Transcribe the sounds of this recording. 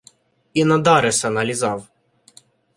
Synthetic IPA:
inɐd̪ɑɾɛsɐnɐlʲizɑw

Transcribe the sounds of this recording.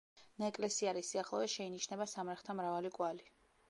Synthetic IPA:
naɛkʼlɛsiaɾisiaχlˠɔvɛʃɛiniʃnɛbasamɾaχt̪ʰamɾavalikʼwali

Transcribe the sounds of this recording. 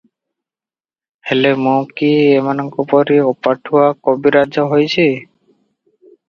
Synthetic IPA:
helemõkiemanɔŋkopɔɾiɔpaʈʰːuwakɔbiɾad͡ʒɔɦojt͡ɕʰi

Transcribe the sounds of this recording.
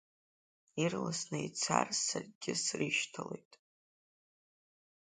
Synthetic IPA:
irlasnejt͡sʰarsɨrɡʲɪsriʃtʰale̞jtʼ

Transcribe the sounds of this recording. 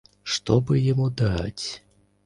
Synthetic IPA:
ʂt̪ɔbɨjamud̪at͡sʲ

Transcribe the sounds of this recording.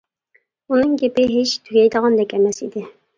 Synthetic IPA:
unɨŋɡʲepɪɦet͡ʃt̪ʰykʲɛjd̪əʁɑnd̪ɛkʲʰɛmɛsḭd̪ɪ

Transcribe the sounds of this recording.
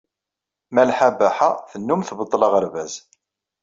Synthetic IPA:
mælħabaħaθənːumθbət̪ˤːlɑʁəɾvæz

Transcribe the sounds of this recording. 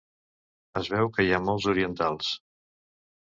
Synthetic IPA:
əzβɛwkəjamɔlˠzuɾiənt̪alˠs

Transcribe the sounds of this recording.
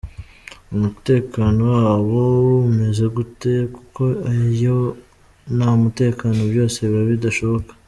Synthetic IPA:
umute̞ːkano̞waːβo̞wume̞zeɡute̞ku̥ko̞aijo̞ | namute̞ːkano̞bjo̞ːse̞βiɾaβidaʃo̞βo̞kḁ

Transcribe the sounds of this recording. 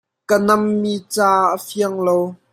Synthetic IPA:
kənɐmːiːt͡saːʔəfiəŋlow

